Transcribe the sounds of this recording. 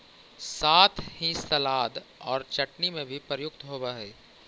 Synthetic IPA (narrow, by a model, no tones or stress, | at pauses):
saːt̪ʰhĩsɐlaːd̪ɔːɾt͡ʃɐʈnimẽbʱipɾjʊk̚t̪ɦoːbaɦɛː